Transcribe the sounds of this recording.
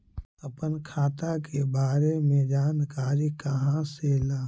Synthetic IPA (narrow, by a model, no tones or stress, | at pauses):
əpənkʰaːt̪akebaːɾemẽd͡ʒaːnkaːɾikaɦãseːlaː